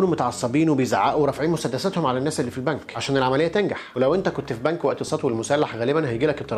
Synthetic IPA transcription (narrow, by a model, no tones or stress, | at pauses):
uːnumot̪ɑʕɑsˤːɑbiːnwebejza̰ʕa̰ːʔuweɾˤɑfʕiːnmʊsæd̪ːæsæt̪homʕalænːæːsʔelːiːfilbænkʕaʃæːnelʕamælejːæt̪enɡaħwelæwʔent̪ækont̪fibænkwæʔt̪esˤɑːt̪welmʊsælːaħɣæːlebænhæjɡiːlæket̪ːˤɑɾˤ